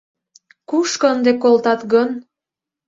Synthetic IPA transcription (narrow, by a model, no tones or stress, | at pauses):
kuʃkəənd̪ekolt̪ɑt̪ɡən